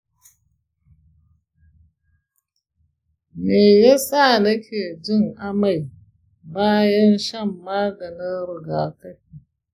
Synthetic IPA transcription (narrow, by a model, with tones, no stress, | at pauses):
meː˨ja˦sa˦˨nɐ˦kʲʰeː˨d͡ʒɪ˦ŋʔa˦ma˨j | baː˦jɐ˦nʃɐ˦˨mːaː˦ɡɐ˨nɪ˦nɾɪ˨ɡaː˨ka˦j